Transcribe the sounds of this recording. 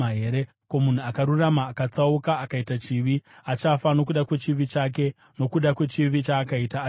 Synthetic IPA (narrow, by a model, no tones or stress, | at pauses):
aɦeɾe | komun̤uakaɾuramaːkat͡saukaːkaitat͡ʃiʋiat͡ʃafano̞kuɗakwe̞t͡ʃiʋit͡ʃaːk̬e̞ | no̞kuɗakwe̞t͡ʃiʋit͡ʃaːkaitaː